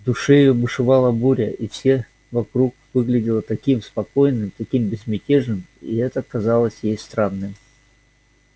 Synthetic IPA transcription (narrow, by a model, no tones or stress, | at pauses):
d̪ʊʂɨjɪjobɨʂɨvalˠəbuɾʲəʔifsʲe | vɐkɾukvɨɡlʲɪdʲɪlˠət̪ɐkʲimspɐko̞jnːɨmt̪ɐkʲimbʲɪzmʲɪtʲeʐnɨmḭɛt̪əkɐzalˠəsʲjejst̪ɾanːɨj